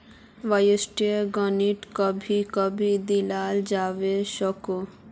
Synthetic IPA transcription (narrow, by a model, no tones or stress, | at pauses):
ʋajəsʈiəɡəniʈkəbʱikəbʱid̪ilaːld͡ʒaːʋeʃəko